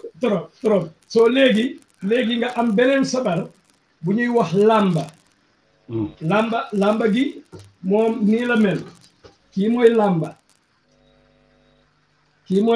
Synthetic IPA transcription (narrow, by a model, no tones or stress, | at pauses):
tɔɾɔmtɔɾɔm | sɔleɡi | leːɡiŋɡaʔambɛlɛnsɐbal | buɲijwahlambɐ | lambɐlambɐɡi | mɔːmniːlɐmɛn | kiːmojlambɐ | kiːmɔ